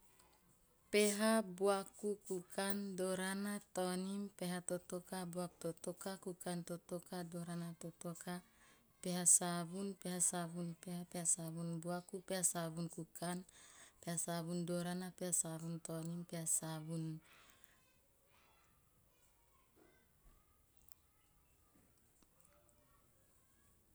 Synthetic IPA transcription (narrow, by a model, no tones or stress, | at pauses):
peɦabuakukukandoɾanat̪onimpeɦat̪ot̪okabuak̚t̪ot̪okakukant̪ot̪okadoɾanat̪ot̪oka | peɦasaβunpeɦasaβunpehapehasaβunbuakupehasaβunkukanpehasaβundoɾanapehasaβunt̪onimpehasabun